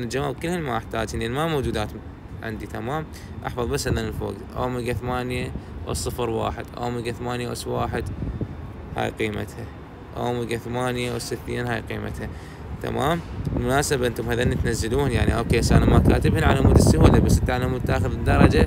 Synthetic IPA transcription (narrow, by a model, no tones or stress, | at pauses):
nad͡ʒamaːbkəlːhanmaʔaħt̪aːd͡ʒanʔanmamowd͡ʒuːd̪aːt̪ | ʕɪ̰nd̪it̪amaːm | ʔa̰ħfɑðˤbasːhaðanɪlfo̰ːɡʔa̰wmɪɡaθamaːnjaʔsˤːɨfɾwa̰ːħɪd̪ʔa̰wmɪɡaθamaːnjaʔwswaːħɪd̪ | ha̰ːjqiːma̰t̪ha | ʔa̰wmɪɡaθamaːnjawsɪθːiːnhaːjqiːma̰t̪ha | t̪a̰maːmɪlmʊnaːsabaʔɪnt̪ʊmhaðaʔnːit̪nazːaluːnjaʕniʔoːkeːsʔanamakaːt̪ɪbhɪnʕalamuːd̪ɪsːʊwalabasːʔnt̪aʔanamut̪ːaːxʊðd̪ːɑɾˤɑd͡ʒa